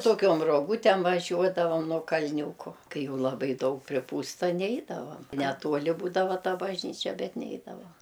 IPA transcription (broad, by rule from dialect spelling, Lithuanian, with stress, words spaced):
toːˈkʲoːm roːˈɡuːtʲɛm ʋɐˈʒʲuɔdɐʋɐm nuɔ kɐlʲˈnʲuːkoː ˈkɐɪ ˈjɛʊ lˠɐˈbɐɪ ˈdɐʊk pʲrʲɪˈpuːstɐ ˈnʲɛɪdɐʋɐm nʲɛˈtuɔlʲɪ ˈbuːdɐʋɐ ˈtɐ bɐʒʲˈnʲiːt͡ʃʲɛ ˈbʲɛt ˈnʲɛɪdɐʋoː